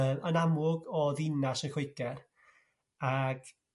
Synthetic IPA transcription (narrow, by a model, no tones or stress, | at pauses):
ənamʊɡɔðinasənxwɪɨɡɛr | aɡ̥